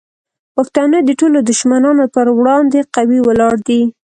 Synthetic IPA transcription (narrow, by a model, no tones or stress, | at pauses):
paxt̪ɑnəd̪əʈolod̪ʊʃmanɑnopəɾwɽɑnd̪eqawiwəlɑɽd̪i